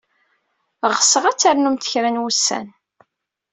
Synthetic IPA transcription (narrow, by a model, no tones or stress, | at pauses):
ʁəsːəʁæt͡sːaɾnumθə̥çɾænwusːæ̰n